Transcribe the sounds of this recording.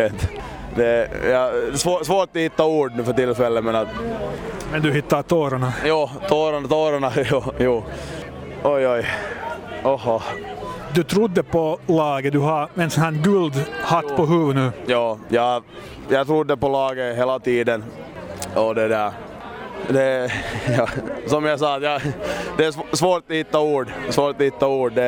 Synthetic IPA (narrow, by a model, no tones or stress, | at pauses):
et̪ | d̪ɛjɑsoːsʋoːʈ̪ːhɪt̪ːɑuːɖnʉːfœʈɪlfɛlːəmɛnɑt̪ | mɛnd̪ʉhɪt̪ːat̪ʰoːɾaɳɑjuːt̪ʰoːɾant̪oːɾaɳɑjuːjuː | ɔjɔj | ɔhɔ | d̪ʉt̪ʰɾʊd̪ːəpʰɔlɑːɡəd̪ʉɦɑɾmɛnsanɡʉːld̪hat̪ːpʰɔɦʉːvənʉːjɑːjɑː | jɑːɡt̪ʰɾʊd̪ːəpɔlɑːɡəɦeːlat̪iːd̪ən | ɔd̪ɛd̪æːɾ | d̪ɛjɑsɔmjɑsɑːt̪jɑd̪ɛæssvoːɾt̪hɪt̪ːauːɖsvoːɾt̪ɔhɪt̪ːauːɖd̪ɛ